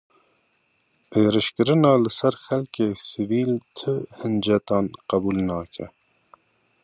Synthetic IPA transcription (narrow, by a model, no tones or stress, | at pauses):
eːɾɨʃkɨɾɨnɑːlɨsɛɾxɛlkeːsɨviːlt̪ʰɨhɨnd͡ʒɛt̪ɑːnqæbuːlnɑːkʰɛ̰